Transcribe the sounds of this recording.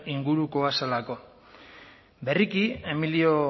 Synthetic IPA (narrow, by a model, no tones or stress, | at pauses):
iŋɡuɾuko̞asalako̞ | be̞rikie̞milio